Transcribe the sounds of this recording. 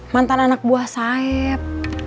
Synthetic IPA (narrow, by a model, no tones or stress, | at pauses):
mant̪ananak̚buahsaɛp̚